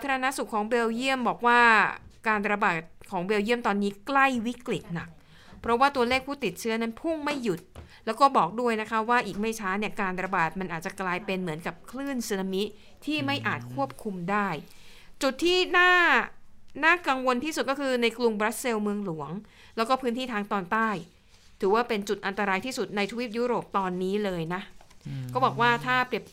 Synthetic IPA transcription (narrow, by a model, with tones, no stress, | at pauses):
a˦t̪ʰa˧ɾa˧na˦˥su˨˩kʰːɔː˩˦ŋbeː˧wji˥˩əmbɔː˨˩k̚waː˥˩kaː˧nɾa˧baː˨˩t̪̚kʰɔː˩˦ŋbeː˧wji˥˩əmt̪ɔː˧nːiː˦˥kla˥˩jwi˦˥kli˨˩t̪̚na˨˩k̚ | pʰɾɔ˦˥waː˥˩t̪u˧ɐəleː˥˩k̚pʰuː˥˩t̪i˨˩t̪̚t͡ɕʰɯ˦˥ɐna˦˥npʰu˥˩ŋma˥˩jːu˨˩t̪̚lɛː˦˥wkɔː˥˩bɔː˨˩k̚du˥˩əjna˦˥kʰa˦˥waː˥˩ʔiː˨˩k̚ma˥˩jt͡ɕʰaː˦˥ni˥˩əkaː˧nɾa˧baː˨˩t̪̚ma˧nʔaː˨˩t̚t͡ɕa˨˩klaː˧jpe˧nmɯ˩˦ənka˨˩p̚kʰlɯː˥˩nsi˧na˧mi˦˥ | t̪ʰiː˥˩ma˥˩jʔaː˨˩t̪̚kʰu˥˩əp̚kʰu˧mdaː˥˩j | t͡ɕu˨˩t̪ʰːiː˥˩naː˥˩ | naː˥˩ka˧ŋwo˧nt̪ʰiː˥˩su˨˩t̪̚kɔː˥˩kʰɯː˧na˧jklu˧ŋbɾa˦˥t̪̚se˧wmɯ˧əŋlu˨˩˦əŋ | lɛː˦˥wkɔː˥˩pʰɯː˥nt̪ʰiː˥˩t̪ʰaː˧ŋt̪ɔː˧nt̪aː˥˩j | t̪ʰɯː˩˦waː˥˩pe˧nt͡ɕu˨˩t̪̚ʔa˧nt̪a˧ɾaː˧jt̪ʰiː˥˩su˨˩t̪̚na˧jt̪ʰwi˦˥˩t̪̚juː˦˥ɾoː˨˩p̚t̪ɔː˧nːiː˦˥lɤː˧jna˦˥kɔː˥˩bɔː˨˩k̚waː˥˩t̪ʰaː˥˩pɾi˨˩əp̚